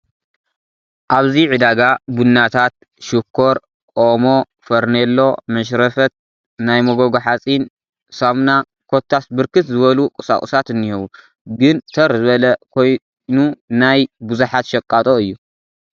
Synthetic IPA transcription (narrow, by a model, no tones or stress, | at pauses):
ʔaβziʕɨd̪aɡabunːat̪ʰat̪̚ | ʃukʰːo̞ɾ | kʼomo | fɐɾnelːo̞mɐʃ̬ɾɐfɐt̪̚ | najmɐɡoɡoħat͡sʼin | samna | kʰo̞t̪ʰːasbɨɾkɨt̪zɨβɐlukʼɨsa̰χʼusat̪ɨnːihɐβu | ɡɨnt̪ʰɐɾzɨβɐlɐkʰoj | nunajbɨzuħat̪ʃɐkʼːat̪ʼoɨjːu